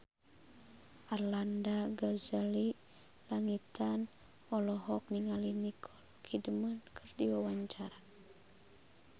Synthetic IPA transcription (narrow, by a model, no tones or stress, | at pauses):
ʔarlandaɡazali | laŋit̪an | ɔlɔɦɔk̚niŋalinikʰɔlkʰidəmənkʰɨrdiwawaɲt͡ʃaɾa